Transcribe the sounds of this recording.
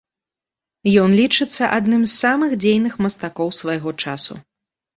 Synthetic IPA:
jɔnlʲit͡ʂɨt̪sːɐʔad̪nɨmzːamɨxd͡zʲejnɨxmɐst̪akɔwsvajɣɔt͡ʂasṵ

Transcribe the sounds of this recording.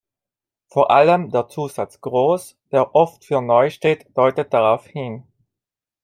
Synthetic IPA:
foːɐʔaləmdeːɐt͡suːzat͡sɡ̥ʁoːs | d̥eːɐʔɔftfyːɐnɔʏʃteːtd̥ɔʏtət̚d̥aʁaʊfhin

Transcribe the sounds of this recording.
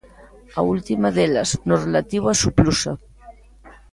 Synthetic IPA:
ault̪imaðelaznorelat̪iwasuplusa

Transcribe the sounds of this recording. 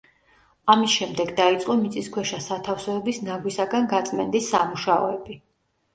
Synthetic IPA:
amisʃɛmd̪ɛɡd̪ait̪sʼqʼɔmit̪sʼiskʰwɛʃasat̪ʰafsɛːbisnaɡwisaɡanɡat̪sʼmɛnd̪isːamuʃaɔ̰ɛbi

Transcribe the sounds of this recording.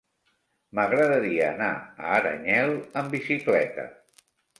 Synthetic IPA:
məɣɾəðəɾiəːna̰əːɾə̰ɲɛlˠəmbisiklɛt̪ə̰

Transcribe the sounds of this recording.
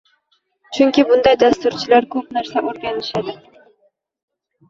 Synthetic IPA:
t͡ʃʰyŋkʲibʊnd̪ɑjd̪ɑst̪uɾt͡ʃʰɪlaɾkʲʰɵp̚næɾsɛʔoɾɡʲɑnɪʃad̪ɪ

